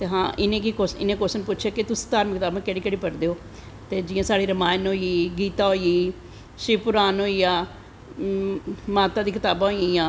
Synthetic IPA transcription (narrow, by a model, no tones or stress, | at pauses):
t̪eːɦã̰ːʔɪnẽːkikosɪ̰nẽːkosənpʊtːʃʰaːkɪt̪ʊsi̥ːt̪aːɾməkt̪aːbãːkɛːɽiːkɛːɽiːpəɾd̪eːoː | t̪eːd͡ʒɪjãːsaːɽiːɾəmaːnɦoːiːɡiːt̪aːɦoːiiː | ʃɪpʊɾaːnɦoːiːaː | maːt̪aːd̪iːkɪt̪aːbãːɦoĩãː